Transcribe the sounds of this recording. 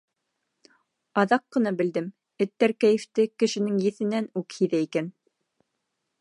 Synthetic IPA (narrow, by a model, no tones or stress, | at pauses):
ɑðɑqːɤ̆nɑbɘ̆ld̪ɘm | ɘ̆t̪ːæɾkæjɘ̆ft̪ɘkɘ̆ʃɘ̆nɘŋjɘ̆θɘ̆nænʉkhiðæikæn